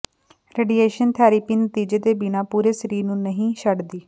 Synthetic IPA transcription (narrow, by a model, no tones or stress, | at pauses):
ɾeːɖiːeːʃənt̪ʰɛːɾiːpiːnət̪iːd͡ʒeːd̪eːbɪnaːpuːɾeːsəɾiːɾnũːnəɦĩːʃəɖd̪iː